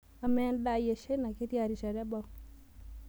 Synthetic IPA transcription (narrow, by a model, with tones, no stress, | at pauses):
a˨mɛ˦nda˦˨je˨ʃe˦na˨ke˦tja˨ɾi˨ʃa˨ɾa˦ba˦